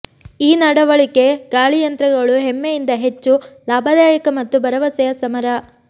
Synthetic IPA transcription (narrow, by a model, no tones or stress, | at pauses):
iːnɐɽɐʋɐɭike̞ɡ̥aːɭijɐnt̪ɾɐɡɐɭuɦemːejind̪ɐɦe̞t͡ʃːulaːbʱɐd̪aːjɐkɐmɐt̪ːubɐɾɐʋɐsɐjɐsɐmɐɾɐ